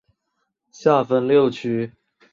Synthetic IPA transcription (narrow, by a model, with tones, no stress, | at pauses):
ɕja˥˩fə˧˥nljo˥˩ʊt͡ɕʰy˥